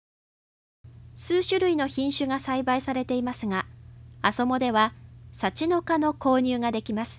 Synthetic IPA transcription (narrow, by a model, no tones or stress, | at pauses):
sɨːɕɨɾɯ̟ino̞çĩɰ̃ɕɨɡasaibaisaɾe̞t̪e̞imasɨɡaaso̞mo̞d̪e̞βasat͡ɕino̞kano̞ko̞ːɲ̟ɨːɡad̪e̞kʲimasɨ̥